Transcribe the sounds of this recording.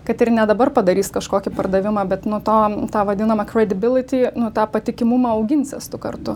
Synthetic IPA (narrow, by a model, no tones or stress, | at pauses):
kɐt̪ɪrnʲɛd̪ɐbɐrpɐd̪ɐɾʲiːskɐʃkoːkʲɪpɐrd̪ɐʋʲɪmɑːbʲɛt̪nʊt̪oːt̪ɑːʋɐd̪ʲɪnɐmɐkɾʲɛd̪ʲɪbʲɪlʲɪt̪ʲiːnʊt̪ɑːpɐt̪ʲɪkʲɪmʊmɑːɐʊɡʲɪnʲt͡sʲɛst̪ʊkɐ̰rt̪ʊ